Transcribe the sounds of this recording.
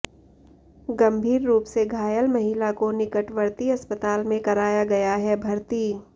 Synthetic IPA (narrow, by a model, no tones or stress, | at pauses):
ɡɐ̃mbʱiːɾːuːpseɡʱaːjəlmɐɦɪlakonɪkəʈʋəɾt̪iɐspət̪aːlmẽkɐɾaːjaɡɐjaɦɛbʱɐɾt̪iː